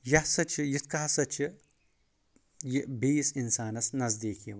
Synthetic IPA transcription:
jɐsɐt͡ʃʰijit̪̚ʰkaɦsɐt͡ʃʰi | jibiːsinsaːnɐsnɐzd̪iːki

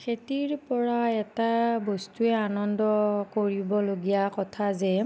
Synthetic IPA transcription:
kʰetiɹpɔɹaɛtabɔstuɛanɔndɔkoɹibɔloɡijakɔtʰazɛ

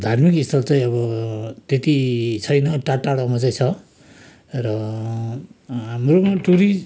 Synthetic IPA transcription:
d̪ʱarmikist̪ʰʌlt͡saĩʌbʌt̪et̪it͡sʰʌjnʌʈaʈːaɽamʌt͡saĩt͡sʰʌ | rʌ | mromaʈuɾi

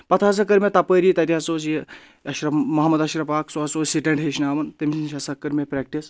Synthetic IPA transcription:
pɐt̪ʰaːs̬ɐkɐɾmʲet̪ɐpəːɾiːt̪ɐt̪iɐsoːsji | ɐʃɾɐmɐɦɐmɐd̪ɐʃɾɐpaːksoɦɐsoːsiʈɐɳɖɦeʃnaːʋɐnt̪ɐmʲsnʃɐsɐkːɐɾmʲepɾek̚ʈis

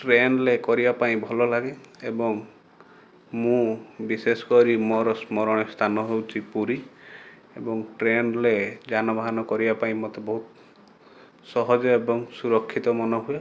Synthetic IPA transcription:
ʈɾenlekɔɾibapaĩbʱɔlɔlaɡeebɔŋ | mũbisesɔ̥kɔɾimɔɾɔsmɔɾɔɽ̃est̪ʰanɔɦewt͡ʃʰipuɾi | ebɔŋʈɾenled͡ʒanɔbʱaɦanɔkɔɾibapaĩmɔt̪ebɔɦut̪ | sɔɦɔd͡ʒɔebɔŋsuɾɔkʰːit̪ɔmɔnɔɦue

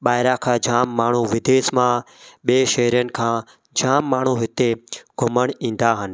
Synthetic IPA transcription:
ɓaːɦɪɾaːkʰãːd͡ʒaːmːaːɳ̤uːʋɪd̪eːsmãː | ɓeːʃəɦɾijənɪ̆kʰãː | d͡ʒaːmːaːɳ̤uɦɪt̪eɡʱʊməɽ̃ĩːn̆d̪aːɦən̆

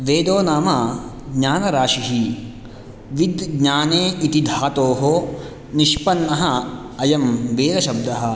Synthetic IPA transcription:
ʋeːd̪oːnaːmɐ | ɡɲaːnɐɾaːʃiɦi | ʋid̪ɡɲaːneːit̪id̪ʱaːt̪oːɦoː | niʃpɐnːɐɦɐ | ɐjɐmʋeːd̪ɐʃɐb̚d̪ɐɦɐ̆

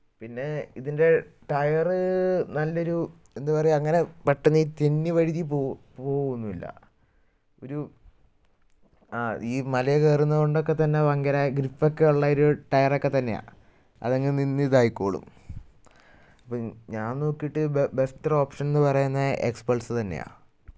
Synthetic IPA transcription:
pinːe̞iðinde̞ʈɐjɐrɨnɐlːɐo̞ɾu | e̞nd̪upɐrɐjumɐŋːɐne̞pɐʈːunːɐiːt̪inːiʋɐɻiðipo | poːɣunːuilːɐ̰ | o̞ɾu | aːiːmɐlɐjekeːrunːɐkoɳɖokːe̞t̪ɐnːeʋɐŋɡɐɾaːjɐɡɾifokːe̞uɭːɐoɾuʈɐjɐrokːe̞t̪ɐnːe̞ja̰ː | ɐ̰ðeŋɡilninːiðaːjikːoːɭṵm | ɐpːoɲaːnno̞ːkːijiʈːɨbe̞stɐro̞ːpʂɐnenːɨpɐrɐjunːɐʔekspɐlsɨt̪ɐnːḛja̰ː

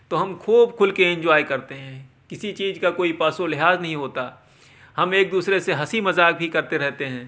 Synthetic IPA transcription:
t̪oːɦɐmkʰuːbkʰʊlkeɪ̃nd͡ʒɔːikɐɾt̪eɦɛ̃ː | kɪsit͡ʃiːzkakoːipaːsolɪɦaːznɐɦĩɦoːt̪aː | hɐmeːk̚d̪uːsɾeseɦɐsimɐzaːk̚bʱikɐɾt̪eɾɛɦt̪eɦɛ̃ː

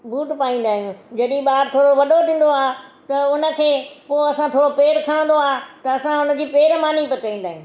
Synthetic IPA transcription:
buːʈpaːĩːn̆d̪aːɦijũd͡ʑɐɗĩɓaːɾt̪ʰoːɽoʋɐɗot̪ĩːn̆d̪oaːt̪ɐʊnə̆kʰeːpoːɐsãt̪ʰoːɽopeːɾkʰɐɽ̃ə̃n̆d̪oaːt̪ɐɐsãʊnə̆d͡ʑiːpeːɾmaːnipɐt̪aːĩːnd̪aːɦiũː

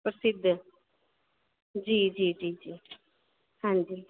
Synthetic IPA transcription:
pɾəsɪd̪ʱːə | d͡ʒiːd͡ʒiːd͡ʒiːd͡ʒiː | hãnd͡ʒiː

